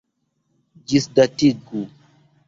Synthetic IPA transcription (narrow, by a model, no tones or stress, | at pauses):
d͡ʒisdatiɡu